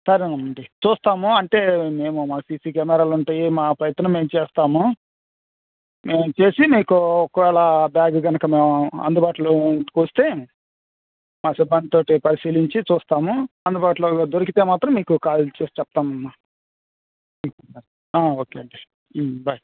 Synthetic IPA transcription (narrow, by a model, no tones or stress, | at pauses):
sɐɾenɐmɐɳɖit͡ʃuːst̪aːmuɐɳʈe̞ːme̞ːmumaːsiːsiːkɛːmɛːɾaːluɳʈaːjimaːpɾɐjɐt̪ɐnɐmːe̞ːmut͡ʃeːst̪aːmu | meːmut͡ʃe̞ːsimiːkuɔkːɐʋɛːɭabjaːɡuɡɐnɐkɐmeːɐ̰nd̪ubaːʈulokoːst̪e̞ː | maːsibɐɳt̪o̞ːʈipɐɾisiːliɲt͡ʃit͡ʃuːst̪aːmuɐnd̪ubaːʈ̬loːd̪oɾik̬it̪e̞ːmaːt̪ɾɐmːiːkukaːlt͡ʃeːst͡ʃɛp̚t̪aːmɐnːa | ikɐɐɾ | aːo̞ːkeːɐɳe | bɐj